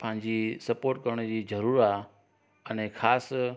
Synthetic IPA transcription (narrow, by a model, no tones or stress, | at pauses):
pɐ̃ɦɪ̃ɲd͡ʑisɐpoːɾʈ̚kɐɾəɽ̃əd͡ʑiːzɐɾuːɾaː | ɛnẽxaːs